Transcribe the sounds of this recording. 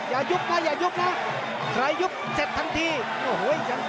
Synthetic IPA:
jaː˨˩ju˦˥p̚naː˦˥˩jaː˨˩ju˦˥p̚na˦˥ | kʰɾa˧jːu˦˥p̚se˨˩t̪̚t̪ʰːa˧˩ŋt̪ʰiː˧˩ | kɔː˧˩ɦo˨˦˨t͡ɕa˧˦

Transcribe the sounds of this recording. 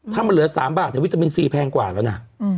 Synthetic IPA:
t̪ʰaː˥˩ma˧nlɯ˩˦ɐ˦saː˩˦mbaː˨˩t̪̚ni˧˩˦t̪a˧mi˧nsiː˧˩pʰɛː˧ŋkwa̰ː˨˩lɛː˦˥wna˦˥

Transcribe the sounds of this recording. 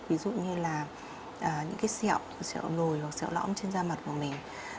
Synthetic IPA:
vi˨˦zṵ˧˨ɲɨ˧laː˨˩ | ʔəː˨˩ɲɨ̰˧˥ŋkaː˨˦jsɛ̰˧˨wsɛ̰˧˨wlo˨˩jwa˨˩k̚sɛ̰˧˨wlɔ̰˧˥mt͡ɕe˧nzaː˧ma˨˩t̚ku˨˩əmï˨˩ŋ̟

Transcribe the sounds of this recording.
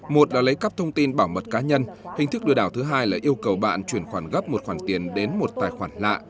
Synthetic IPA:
mo˨˩t̚laː˨˩lə˨˦jkaː˦˥p̚t̪ʰə˧wŋ͡mt̪i˧nɓaː˧˩wmə˨˩t̚kaː˨˦ɲə˧nhï˨˩ŋ̟t̪ʰɨ˦˥k̚ɗɨ˧əɗaː˧˩wt̪ʰɨ˨˦ɦaː˧jlaː˨˩ʔi˧əwkə˨˩wɓa̰ː˧˨nt͡ɕwi˧˩ənxwaː˧˩nɣə˦˥p̚mo˨˩t̚xwaː˧˩nt̪i˨˩ənɗe˨˦nmo˨˩t̚t̪aː˨˩jxwaː˧˩nla̰ː˧˨ʔ

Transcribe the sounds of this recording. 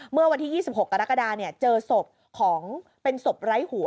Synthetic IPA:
mɯ˥˩ɐwa˧nt̪ʰiː˥˩jiː˥˩si˨˩p̚ho˨˩kːa˧ɾa˦˥ka˧daː˧ni˥˩ɐt͡ɕɤː˧so˨˩p̚ | kʰɔː˩˦ŋ | pe˧nso˨˩p̚ɾa˦˥jhu˩˦

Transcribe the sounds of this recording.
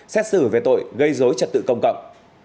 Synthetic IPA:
sɛ˦˥t̚sɨ˧˩ve˨˩t̪o̰˧˨jɣə˧jzo˨˦jt͡ɕə˨˩t̚t̪ɨ̰˧˨kə˧wŋ͡mkə̰˧˨wŋ͡m

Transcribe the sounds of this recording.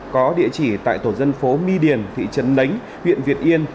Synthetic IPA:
kɔ˨˦ɗḭ˧˨ət͡ɕi˧˩t̪a̰ː˧˨jt̪o˧˩zə˧nfo˨˦mi˧ɗi˨˩ənt̪ʰḭ˧˨t͡ɕə˨˦nlə˨˦jŋ̟ | wḭ˧˨ənvi˨˩ət̚ʔi˧ən

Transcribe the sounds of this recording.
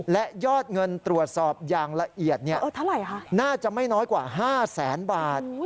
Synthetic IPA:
lɛ˦˥ʔjɔː˥˩t̪̚ŋɤ˧nt̪ɾu˨˩ət̪̚sɔː˨˩p̚jaː˨˩ŋla˧ʔʔi˨˩ət̪̚ni˥˩ɐʔəː˧˩t̪ʰa˥˩ɾa˨˧˩jkʰa˦˥naː˥˩t͡ɕa˨˩ʔma˥˩jnɔː˦˥jkwaː˨˩ɦaː˥˩sɛː˩˦nbaː˨˩t̪̚

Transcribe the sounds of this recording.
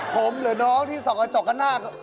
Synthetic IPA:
pʰo˨˩˦mlɯ˨˩˦nɔː˦˥ŋt̪ʰiː˥˩sɔː˩˦ʔa˧t͡ɕɔ˨˩kːa˥˩naː˥˩k

